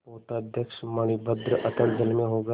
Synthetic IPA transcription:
poːt̪ad̪ʱjəkʃmɐɽ̃ibəd̪ɾəʔɐt̪əld͡ʒəlmẽɦoːɡa

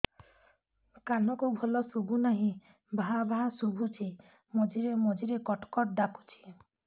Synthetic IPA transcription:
kanɔkubʱɔlɔsubʱunaɦĩ | bʱaɦabʱaɦasubʱut͡ʃʰi | mɔd͡ʒiɾemɔd͡ʒiɾekɔʈkɔʈ̚ɖaku̥t͡ʃʰi̥

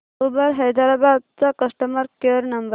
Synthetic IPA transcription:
ubəɾɦejd̪aɾabad̪̚t͡sakəsʈəməɾkeɾnəmbə

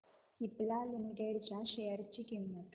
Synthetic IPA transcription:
iplalimiʈeɽt͡ɕjaɕejəɾt͡ɕikimːət̪

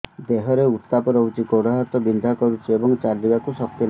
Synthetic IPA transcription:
d̪eɦɔɾeut̪t̪apɔɾɔɦut͡ʃʰikoɽaɦɔt̪ɔbind̪ʱakɔɾut͡ʃʰiebɔŋt͡ʃaɾd̪ibakusɔk̚t̪jɔl

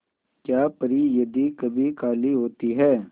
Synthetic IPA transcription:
kjaːpəɾiːjəd̪ikəbʱikaːliɦoːt̪iɦɛː

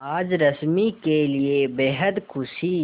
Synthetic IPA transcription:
aːd͡ʒɾɐsmikeliebeːɦəd̪kʰʊsi

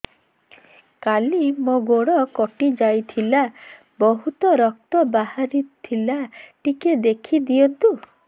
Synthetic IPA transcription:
kalimoɡoɽɔkɔʈid͡ʒajt̪ʰila | bɔɦut̪ɔɾɔk̚t̪ɔbaɦaɾit̪ʰilaʈiked̪ekʰid̪iɔnt̪u

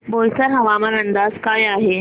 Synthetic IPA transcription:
bolt͡səɾɦəʋaməɾənd̪azkajaɦe

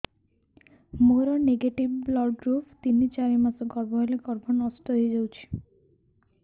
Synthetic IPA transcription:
moɾɔneɡeʈibblɔɡɡɾupʰt̪init͡ʃaɾimasɔɡɔɾbɔɦeleɡɔɾbʱɔnɔst̪ɔɦejd͡ʒawt͡ʃʰi̥

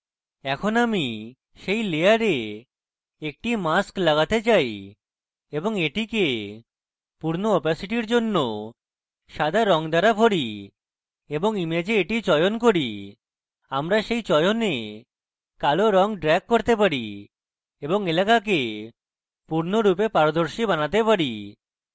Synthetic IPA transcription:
ɛkʰonami | ʃejlejaɾe | ek̚ʈimasklaɣat̪et͡ɕaj | eboŋeʈike | puɾnoɔpasiʈiɾd͡ʑonːo | ʃad̪ʱaɾɔŋd̪ʱaɾabʱoɽi | eboŋimed͡ʑeːʈit͡ɕɔjonkoɾi | amɾaʃejt͡ɕɔjone | kaloɾɔŋɖɾɛɡ̚ːoɾt̪epaɾi | eboŋelakak̬e | puɾnoɾupepaɾod̪oɾʃibanat̪epaɾi

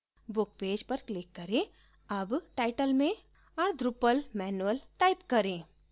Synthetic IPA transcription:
bʊk̚peːd͡ʒpɐɾklɪkːɐɾẽ | ɐbʈaːɪʈəlmẽ | ɐːɾd̪ɾʊpəlmɛːnuəlʈaːɪpkɐɾẽː

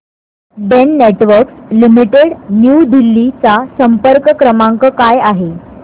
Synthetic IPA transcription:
ɖenːeʈʋəɾkslimiʈeɽnjud̪ilːit͡sasəmpəɾkəkɾəmaŋkəkajaɦe

